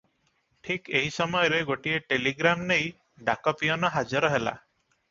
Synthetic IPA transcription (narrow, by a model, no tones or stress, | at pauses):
ʈʰikeɦisɔmɔjɔɾeɡoʈieʈeliɡɾamnej | ɖakɔpiɔnɔɦad͡ʒɔɾɔɦela̰